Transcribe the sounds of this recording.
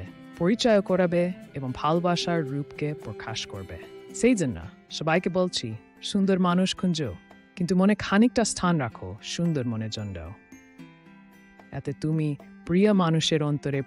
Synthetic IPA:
poɾit͡ɕajokɔɾabeeboŋbʱalbaʃaɾːupkepɾokʰaʃkoɾbḛʃejd͡ʒonːa̰ | ʃɔbajkebolt͡ɕʰi | ʃund̪oɾmanuʃkʰund͡ʑo | kint̪umonekʰanik̚ʈastʰanɾakʰo̰ʃund̪oɾmoned͡ʑɔnɖa̰o | ɛ̰t̪et̪umipɾiəmanuʃeɾɔnt̪oɾe

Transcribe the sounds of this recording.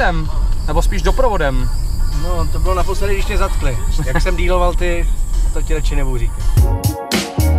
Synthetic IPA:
ɛmnɛbo̞spiːʒdopɾovodɛmnot̪obɪlonapost̪adɪɡdɪʃmɛzat̪klɪjaksɛmdiːlo̞valt̪ɪt̪ocɪlɛt͡ʃɪnɛbowriːkɪ

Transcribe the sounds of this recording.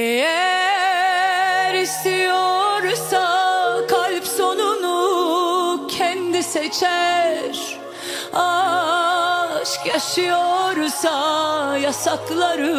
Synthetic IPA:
ejæ | ɾist̪ʰijoɾsakʰalʲpso̞nunu | cʰɛnd̪iset͡ʃʰɛɾ | a | ʃkjaʃɯjoɾsajasaklˠaɾɯ

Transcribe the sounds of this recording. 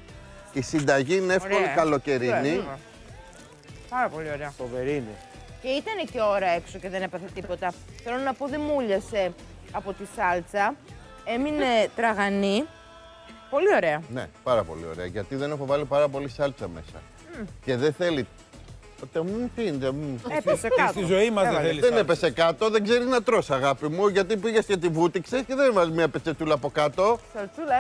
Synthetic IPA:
isind̪ɐʝiineefkolikɐlo̞ceɾiniɐ | pɐɾɐpo̞lio̞ɾeɐfoveɾini | ce̞it̪ɐne̞ceo̞ɾɐe̞ksoce̞ðe̞nepɐθet̪ipo̞t̪ɐθe̞lo̞nɐpo̞ðe̞muʎɐse̞ | ɐpo̞t̪isɐlt͡sɐ | e̞mine̞t̪ɾɐɣɐni | po̞lio̞ɾe̞ɐne̞̰pɐɾɐpo̞̰lḭo̞̰ɾe̞̰ɐ̰ʝɐt̪iðe̞nexo̞vɐlipɐɾɐpo̞lisɐlt͡sɐme̞sɐ̰ | ce̞ðeθe̞li | t̪emut̪int̪emueesekɐt̪st̪izoimɐzeiðenepesekɐt̪o̞ðeɡze̞ɾinɐt̪ɾo̞sɐɣɐpimuʝɐt̪ipiʝescet̪ivut̪iksesceðenvɐzmɲɐpet͡se̞t̪ulɐːpo̞kɐt̪o̞sɐlt͡sulɐ

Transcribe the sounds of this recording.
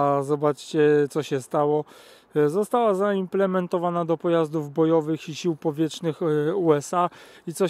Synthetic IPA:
zɔbat͡ʂt͡ɕɛt̪sɔɕɛst̪awɔ | zɔst̪awazaimplɛmɛnt̪ɔvanad̪ɔpɔjazd̪uvbɔjɔvɘxiɕiwpɔvʲjɛt͡ʂnɘxuɛsait̪sɔ

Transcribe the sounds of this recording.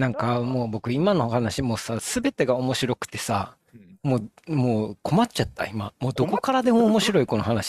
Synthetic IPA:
nãŋkamo̞ːbo̞kɯ̟imano̞hanaɕimoːsasɨbe̞t̪e̞ɡao̞mo̞ɕiɾo̞kɯ̟̥t̪e̞̥sa | mo̞ː | moːko̞matt͡ɕat̪ːa̰ima̰moːd̪o̞ko̞kaɾad̪e̞mo̞ːmo̞ɕiɾo̞iko̞no̞ɦanaɕi̥

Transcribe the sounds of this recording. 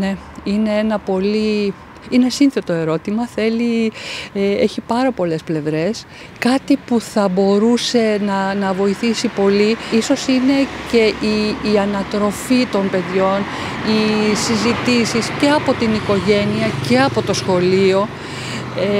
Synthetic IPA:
ne̞ | ine̞enɐpo̞li | inesinθe̞t̪o̞e̞ɾo̞t̪imɐθe̞lieeçipɐɾɐpo̞le̞sple̞vɾe̞s | kɐt̪ipuθɐbo̞ɾuse̞nɐnɐvo̞iθisipo̞liiso̞sine̞ce̞ʔiːɐnɐt̪ɾo̞fit̪o̞npe̞ðʝo̞n | isizit̪isisce̞ɐpo̞t̪iniko̞ʝe̞niɐce̞ɐpo̞t̪o̞sxo̞lio̞ | e

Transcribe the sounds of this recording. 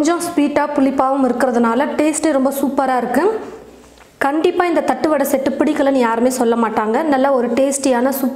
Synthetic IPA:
ɲd͡ʒɔ̃spiːʈːaːpʊlɪpːaːʋɯmɪɾɯkːɪɾɐðɯnaːlɐʈeːsʈɛɾɔmbɐsuːpɐɾaːɪɾɯkːɯ | kɐɳɖɪpːaːɪnd̪ɐt̪ɐʈːɯʋɐɽɐsɛʈːɯpɪɽɪkːɐlɐnĩːjaːɾɯmeːsɔlːɐmaːʈːaːŋɡɐnɐlːɐɔɾɯʈeːsʈjaːnɐsuːp

